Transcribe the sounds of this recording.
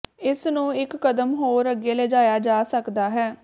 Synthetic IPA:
ɪsnũːɪkːəd̪əmɦoːɾəɡeːlɛd͡ʒaːjaːd͡ʒaːsəkd̪aːɦɛː

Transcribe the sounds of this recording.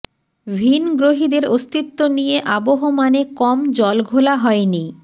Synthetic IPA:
bʱinɡɾoɦid̪eɾost̪it̪ːonijeʔaboɦomanekɔmd͡ʑɔlɡʱolaɦɔeni

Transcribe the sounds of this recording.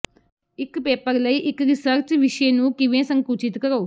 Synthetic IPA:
ikpeːpɐɾlɐjʔikɾisɐɾt͡ʃʋiʂɐjɐnukiʋeːsɐŋkuːt͡ʃit̪ukɐɾɐw

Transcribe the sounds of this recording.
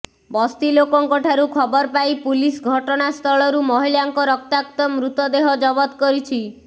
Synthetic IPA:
bɔst̪ilokɔŋkɔʈʰaɾukʰɔbɔɾpajpulisɡʱɔʈɔñast̪ʰɔɭɔɾumɔɦiljaŋkɔɾɔk̚t̪akt̪ɔmɾut̪ɔd̪eɦɔd͡ʒɔbɔt̪kɔɾit͡ʃʰi

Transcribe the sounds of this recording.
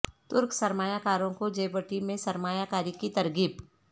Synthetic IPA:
t̪ʊɾksɐɾmaːjakaːɾõkod͡ʒeːbəʈimẽsɐɾmaːjakaːɾikit̪ɐɾɡɪb

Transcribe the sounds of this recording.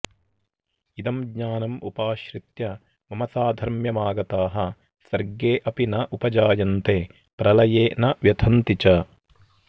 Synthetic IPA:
id̪ɐmɡɲaːnɐmṵpaːʃɾit̪jɐ | mɐmɐsaːd̪ʱɐɾmjɐmaːɡɐt̪aːɦɐ | sɐɾɡeːʔɐpinɐʔupɐd͡ʒaːjɐnt̪eː | pɾɐlɐjeːnɐʋjɐt̪ʰɐnt̪it͡ʃɐ

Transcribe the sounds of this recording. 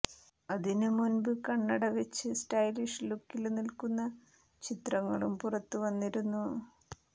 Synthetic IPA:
ɐðinɨmunbɨkɐɳːɐɽɐʋet͡ɕːɨsʈɐjliʂlukːilnilkunːɐ | t͡ɕit̪rɐŋːɐɭumpurɐt̪ːuʋɐnːiɾunːu

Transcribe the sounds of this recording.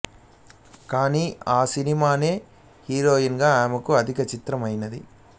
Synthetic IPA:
kaːniːʔaːsinimaːne̞ː | hiːɾoːjinɡaːaːmɐkuɐd̪ʱikɐt͡ʃit̪ɾɐmɐjnɐd̪ḭ

